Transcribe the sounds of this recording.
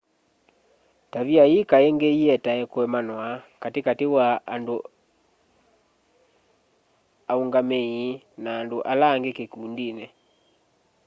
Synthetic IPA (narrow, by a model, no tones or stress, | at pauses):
taβiaikaɛŋɡeiɛtaɛkoɛmanwakatekatewaando | auŋɡamei | naːndoʔalaːŋɡekekuːndinɛ